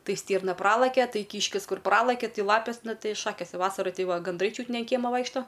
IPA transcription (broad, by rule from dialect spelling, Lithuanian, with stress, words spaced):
ˈtɐɪ ˈsʲtʲiːrnɐ ˈprɑːlˠɐkʲɛ ˈtɐɪ ˈkʲiːʃʲkʲɪs ˈkʊr ˈprɑːlˠɐkʲɛ ˈtʲɪ ˈlˠɑːpʲeːs ˈnʊ ˈtɐɪ ˈʃɑːkʲeːs ˈʋɑːsɐrɐ ˈtʲɪ ˈʋɐ ɡɐnˈdrɐɪ ˈt͡ʃʲuːt nʲɛ ɐn ˈkʲiɛmoː ˈʋɐɪkʃtoː